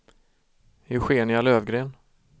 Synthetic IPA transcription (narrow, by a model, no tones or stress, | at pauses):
hɵɧeːɳɪaløːvɡɾeːn